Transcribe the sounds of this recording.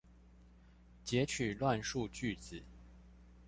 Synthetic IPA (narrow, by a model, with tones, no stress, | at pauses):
t͡ɕjɛ˨˥t͡ɕʰy˨˩lwa˥˧nʂu˥˧t͡ɕy˥˨t͡sɹ̩˨˩˦